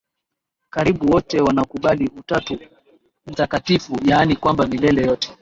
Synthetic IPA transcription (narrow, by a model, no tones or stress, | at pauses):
kaɾiɓuwɔtɛwanakuɓaliutatu | m̩takatifujanikwambamilɛlɛjɔtɛ̥